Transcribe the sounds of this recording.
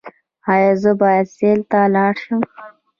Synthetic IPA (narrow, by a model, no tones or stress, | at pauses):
hɑːjazəbɑːjad̪seːlt̪alɑːɽʃəm